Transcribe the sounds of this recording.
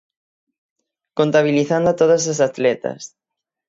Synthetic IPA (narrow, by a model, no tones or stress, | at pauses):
kont̪aβ̞iliθand̪at̪oðɐs̬as̬at̪lɛt̪ɐ̰s